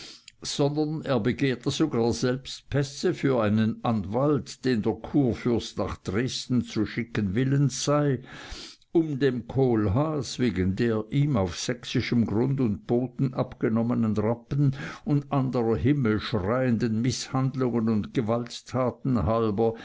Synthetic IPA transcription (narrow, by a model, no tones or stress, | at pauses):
z̥ɔndɐneːɐbəɡeːɐtəzoɡaːɐzɛlpst̚pʰɛsəfyːɐʔaɪnənʔanvaltd̥eːndeːɐkʰuːɐfʏɐstnaːχd̥ʁeːstn̩t͡suʃɪkənvɪlənz̥aɪ | ʔʊmdeːmkʰoːlɦaːsveːɡəndeːɐʔiːmaʊfsɛksɪʃəmɡʁʊndʊnt̚b̥oːtn̩ʔapɡ̥ənɔmənənʁapən̩ʊndʔandəʁɐɦɪml̩ʃʁaɪəndənmɪshandlʊŋənʊntɡ̥əvalttʰːaːtn̩ɦalbɐ